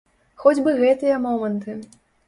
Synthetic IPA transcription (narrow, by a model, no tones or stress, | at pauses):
xɔd͡zʲbɨɣɛt̪ɨjɐmɔmɐnt̪ɨ